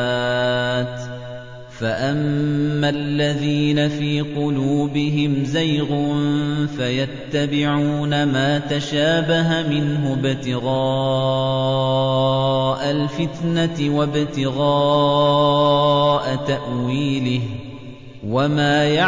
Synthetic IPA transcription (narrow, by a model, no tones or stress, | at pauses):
t̪ | faʔamːallːaðiːnafiːqʊluːbɪɦɪmzajɣʊnfajat̪ːabɪʕuːnamaːt̪aʃaːbaɦamɪnɦʊbɪt̪ɪɣɑː | ʔalfɪt̪naɪwabɪt̪ɪɣaː | ʔat̪aʔwiːlɪh | wamaːja